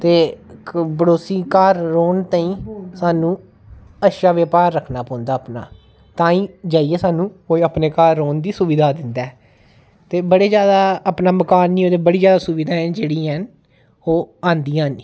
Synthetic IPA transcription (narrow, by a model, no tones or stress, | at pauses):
t̪eː | bəɽoːsiːkaːɾːoːnt̪aːĩːsaːnũː | əʃaːʋeːpaːɾːəkʰnaːpɔ̃ːnd̪aːpna̰ː | t̪ãːĩːd͡ʒaːieːsaːnũːkoːiːəpneːkaːɾːoːnd̪iːsʊʋiːd̪ʱaːd̪ɪnd̪ɛː | t̪eːbəɽeːd͡ʒjaːd̪aːəpnaːməkaːnːiːoːd̪eːbəɽiːd͡ʒjaːd̪aːsʊʋiːd̪ʱaːɛd͡ʒeːɽiːɦən | oːãːnd̪iːãːniː